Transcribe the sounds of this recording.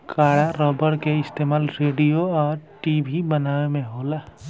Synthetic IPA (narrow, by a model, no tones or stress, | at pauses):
kaːɽaɾəbəɽkeɪst̪emaːlɾeːɖijoɔːɾʈibʱibənaːʋemẽɦoːla